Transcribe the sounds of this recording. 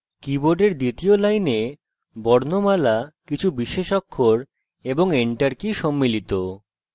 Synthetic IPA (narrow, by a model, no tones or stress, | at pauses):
kiboɖeɾd̪it̪iolajne | bɔɾnomalakit͡ɕʰubiʃeʃɔkʰːoɾ | eboŋeɳʈaɾkiʃɔmːilit̪o